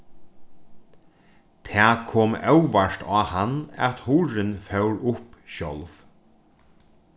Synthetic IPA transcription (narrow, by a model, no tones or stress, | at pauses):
t̪ʰæːkʰɔːmœwʋaʃt̪ɑːhanæ̰t̪huːɹɪnfœwɹʊpʃɔlf